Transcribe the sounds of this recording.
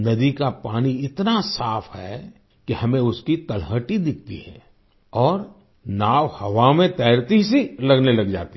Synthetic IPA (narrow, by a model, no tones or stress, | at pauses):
nɐd̪ikapaːniɪt̪nasaːfʰhɛ | kihɐmẽʊskit̪ɐlɦəʈid̪ɪk̚ʰt̪ḭɦɛ̰̃ː | ɔːɾ | naːwhɐʋamẽt̪ɛːɾt̪is̬ilɐɡnelɐɡd͡ʒa̰ːt̪i